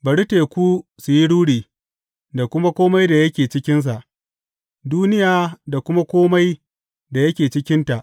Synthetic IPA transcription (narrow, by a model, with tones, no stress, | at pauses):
bɐ˨ɽi˦teː˨kʷu˦su˨ji˦ɽuː˦ɽiː˨ | da˨kʷʊ˦ma˦kʷoː˦ma˦jda˨jɐ˦kʲeː˨t͡ʃɪ˦kʲɪ˦ns̬a˨ʔ | duː˦nɪ˦jaː˨da˨kʷʊ˦ma˦kʷoː˦ma˦j | da˨jɐ˦kʲeː˨t͡ʃɪ˦kʲɪ˦nta˨ʔ